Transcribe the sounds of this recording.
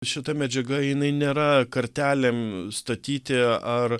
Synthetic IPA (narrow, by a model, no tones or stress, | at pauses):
ʃʲɪt̪ɐmʲɛd͡ʒʲɛɡɐjɪnɐɪnʲeːɾɐkɐɾʲt̪ʲæːlʲemst̪ɐt̪ʲiːt̪ʲɪɐr